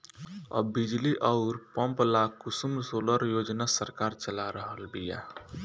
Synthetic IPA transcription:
ə̰bid͡ʒliʔɔʊɾpəmplakusumsoləɾjod͡ʒnasəɾkaɾt͡ʃəlaɾəɦəlbija̰

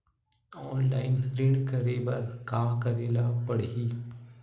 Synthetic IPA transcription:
ɔːnlaːɪnɾɪ̃ɳkəɾeːbɐɾkaːkəɾeːlapəɽɦiː

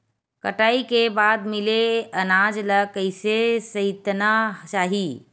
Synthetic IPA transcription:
kəʈaːikebaːd̪mɪleənad͡ʒləkəɪsesəɪt̪nat͡ʃaːɦi

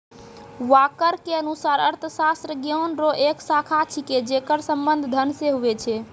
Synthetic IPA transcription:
wakəɾkeənusaɾəɾt̪ʰəsast̪ɾəɡjonɾoʔeksakʰat͡ʃʰiked͡ʒekəɾsəmbənd̪ʱd̪ʱənseɦuet͡ʃʰɛ

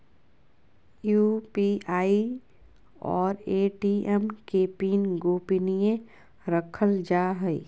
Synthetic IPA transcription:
juːpiaːi | ɔːɾeːʈiɛmkepiːnɡoːpinijẽ | ɾəkʰəld͡ʒaːɦɛḭ

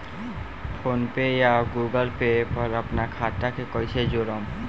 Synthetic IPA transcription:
fʰonpejaɡuɡəlpepɔlapnakʰatʈːakekojt͡ɕʰed͡ʑoɾom

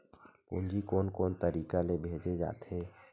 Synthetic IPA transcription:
kʊ̰nd͡ʒikoːnkoːnt̪əɾiːkalebʱeːd͡ʒed͡ʒa̰ːt̪ɦe

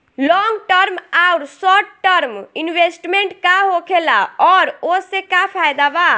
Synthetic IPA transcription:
lɔŋɡʈəɾmauɾsɔʈːəɾminwesʈmeɳʈkaɦokʰelaɔɾosẽkapʰajd̪aba

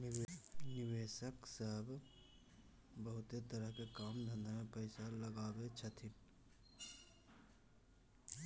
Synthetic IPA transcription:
nɪweːʃəksəɦb | bəɦʊt̪et̪əɾəɦkekaːmd̪ʱə̃nd̪amẽpəɪsaləɡaːbet͡ʃʰət̪ʰɪn

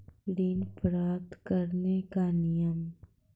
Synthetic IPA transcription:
ɖinpɾaːt̪kəɾnekanɪjəm

